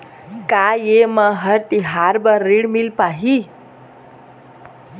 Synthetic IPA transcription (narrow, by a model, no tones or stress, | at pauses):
kajeməɦəɾt̪iɦaɾbəɾːiɽmilpaɦi